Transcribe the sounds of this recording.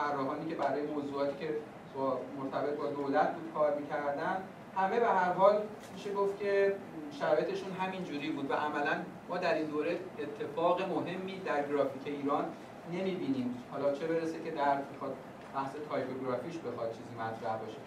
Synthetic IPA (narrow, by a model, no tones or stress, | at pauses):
ærːɒːɦɒːniːce̞bæɾɒːjemoːzuːɒːt̪ʰiːcʰe̞ | ɒmoɾt̪ʰæbe̞t̪̚ʰbɒːd̪oːlæt̪̚ʰbuːd̪̥̚kʰɒːɾmikcʰæɾd̪ænd̪ | hæme̞be̞ɦæɾɦɒːl | miʃe̞ɡo̞ft̪cʲʰe̞ʃæɾɒːjet̪ʰe̞ʃunɦæmind͡ʒuːɾiːbuːd̪væ̰ʔæmælæn | mɒːd̪æɾind̪oːɾeet̪ʰːe̞fɒːɣemo̞ɦe̞mːiːd̪æɾɡɾɒːficʰe̞iːɾɒːnː | e̞miːbiːniːmhɒːlɒːt͡ʃʰe̞be̞ɾesecʰe̞d̪æt̪mexɒːd̪̚ | b̥æhse̞t̪ʰɒːjkʰoɡɾɒfiːcʰbe̞xɒd̪̥̚t͡ʃʰiːziːmæt̪ʰɾæhbɒʃe